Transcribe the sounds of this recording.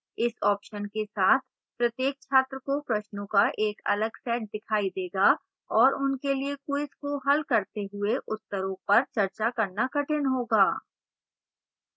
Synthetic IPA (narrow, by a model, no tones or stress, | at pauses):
ɪsɔːpʃənkesaːt̪ʰ | pɾɐt̪jeːk̚t͡ʃʰaːt̪ɾəkopɾɐʃnõkaʔeːkɐ̰ləɡsɛːʈ̚d̪ɪkʰaːid̪eːɡa | ɔːɾʊnkeliekuɪskoɦɐlkɐɾt̪eɦʊeʔʊt̪ːəɾõpɐɾt͡ʃɐɾt͡ʃakɐɾnakɐʈʰɪnɦoːɡaː